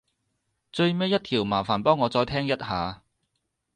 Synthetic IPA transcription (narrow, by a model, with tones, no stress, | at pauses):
t͡ʃɵ˧ɥmɛː˥jɐ˥t̚t̪ʰiː˨˩wmaː˨˩faː˨˩npɔː˥ŋːɔː˨˧t͡sɔː˧jt̪ʰɛː˥ŋjɐ˥t̚haː˨˧